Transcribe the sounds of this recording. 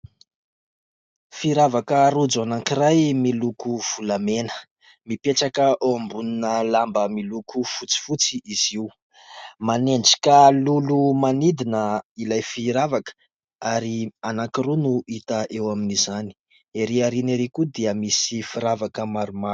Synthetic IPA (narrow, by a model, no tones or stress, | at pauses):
fiɾavakəɾud͡zanaŋkirajmilukuv̥ulamenə̥ | mipeʈ͡ʂakəʔoambuninəlambəmilukʰufut͡si̥fut͡siʔiz̥i | maneɳɖ͡ʐi̥kalulumanid̪inəilajfiɾavakə̥ | aɾianaŋkirunuʔit̪əʔewaminizani̥ | eɾeaɾineɾekud̪iəmisifiɾavakəmaɾumḁ